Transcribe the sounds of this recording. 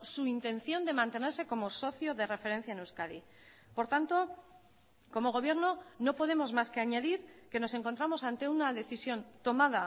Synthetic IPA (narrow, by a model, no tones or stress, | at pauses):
suint̪ẽ̞nθjo̞nd̪e̞mãnt̪e̞ne̞ɾse̞ko̞mo̞so̞θjo̞ðe̞re̞fe̞ɾen̟θjaenewskaðḭ | po̞ɾt̪ant̪o̞ | ko̞mo̞ɣ̞o̞β̞je̞ɾno̞no̞po̞ð̞e̞mo̞zmaske̞aɲaðiɾke̞no̞se̞ŋko̞nt̪ɾamo̞sant̪e̞unaðe̞θisjo̞nt̪o̞maða